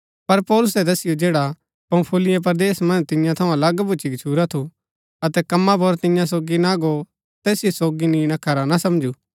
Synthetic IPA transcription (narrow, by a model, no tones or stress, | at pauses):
pɐɾpɔːlʊsɛd̪ɐsɪjod͡ʒeːɽa | pɐ̃ːpʰulɪjap̬ɐɾd̪eːsmɐ̃nt̪ɪ̃jãt̪ʰɐũɐlɐɡbʊt͡ʃikt͡ʃʰuːɾat̪ʰu | ɐt̪ɛkɐmːapoɾt̪ɪ̃jãsoːɡinaɡo | t̪ɛːsɪjosoːɡinĩnakʰɐɾanasɐ̃md͡ʒuː